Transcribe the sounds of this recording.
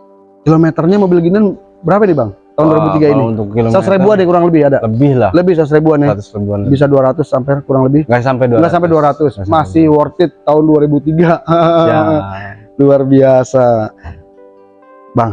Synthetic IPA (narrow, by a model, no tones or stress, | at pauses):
kilomet̪ərɲamobɪlɡinan | bəɾapanibaŋt̪aʊnduaɾibut̪iɡainint̪ʊkːiloat̪sɾibuanɪkuɾaŋləbɪhadaləbɪhlaləbɪhsat̪ʊsɾibuanat̪ʊsribuanbis̬aduaɾat̪ʊsːampɛkuɾaŋləbɪhŋɡasampɛduɡasampɛduaɾat̪ʊsmasɪhwɔrt̪ɪt̪ːaʊnduaɾibut̪iɡaa | luarbiasa | baŋ